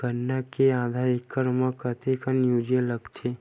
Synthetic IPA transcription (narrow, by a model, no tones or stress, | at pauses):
bənːakeãːd̪ʱaɾikːəɾməkət̪ʰekənjuːd͡ʒeləɡt̪ʰe